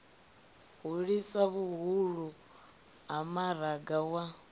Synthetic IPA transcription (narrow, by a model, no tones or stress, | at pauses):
ɣuɺisaβuɦuɺu | amaɾaɡawa